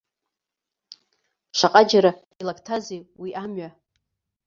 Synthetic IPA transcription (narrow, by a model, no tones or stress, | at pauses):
ʃʷaqʼad͡ʒaɾa | ilakʰtʰazejwiʔamɥa